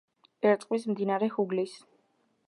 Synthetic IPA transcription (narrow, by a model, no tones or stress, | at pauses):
ɛɾt̪ʼqʼwismd̪inaɾɛhuɡlis